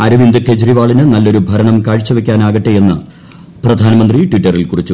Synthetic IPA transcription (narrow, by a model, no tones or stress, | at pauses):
ɐɾuʋind̪ukʰed͡ʑɾiʋaːɭinɨnɐlːo̞ɾubʱɐɾɐɳɐmkaːɻit͡ɕːɐʋekʲːaːnaːɣɐʈːee̞nːɨ | prɐd̪ʱaːnɐmɐnd̪riʈʋiʈːɐrilkurit͡ɕːu